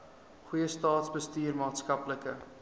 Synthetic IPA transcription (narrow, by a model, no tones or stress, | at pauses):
χujəstɑːtsbəstyːrmɑːtskɐpləkə